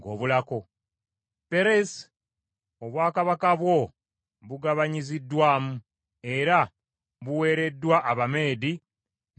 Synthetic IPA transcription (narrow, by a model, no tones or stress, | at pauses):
ŋɡo̞̰ːβulako̞ | pe̞ɾes | oβwaːkaβakaβwo̞ | βuɡaβaɲizidːwaːmu | e̞ɾa | βuwe̞ːɾe̞dːwaʔːβame̞ːdi